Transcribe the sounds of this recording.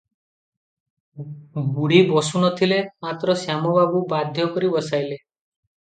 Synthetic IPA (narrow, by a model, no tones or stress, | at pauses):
ɡuɽibɔsunɔt̪ʰilemat̪ɾɔsjamɔbabubad̪ʱjɔkɔɾibɔsajle